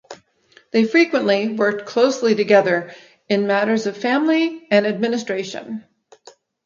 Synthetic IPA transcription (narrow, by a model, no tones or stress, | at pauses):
ðeɪfɹikwə̃nʔliwɜ˞k̚kʰl̥oʊsliɾɨɡɛðə˞ | ɨ̃nmæɾə˞zʌv̥fæ̃mliɨ̃nɨd̚mɪ̃nɨstɹ̥eɪʃɨ̰̃n